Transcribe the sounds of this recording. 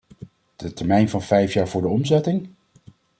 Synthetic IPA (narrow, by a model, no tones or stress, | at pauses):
d̥ətɛɹmɛjnvɑnv̥ɛjfjaːɹvʊːɹdəɔmzɛtɪŋ